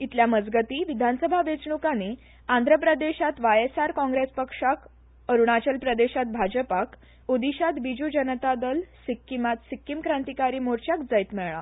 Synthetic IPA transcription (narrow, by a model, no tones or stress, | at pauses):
it̪ljaməd͡zɡət̪iːʋid̪ʱansəbʱaʋet͡sɳukane | and̪ʱɾəpɾəd̪eɕat̪ʋajesaɾkɔ̃ŋɡɾespəkʂak | əɾuɳat͡ɕəlpɾəd̪eɕat̪̚bʱad͡ʑəpak | od̪iɕat̪bid͡ʑud͡ʑənət̪ad̪əlsikːimat̪sikːimkɾãnt̪ikaɾiːmoɾt͡ɕjakd͡zəjt̪mɛɭɭa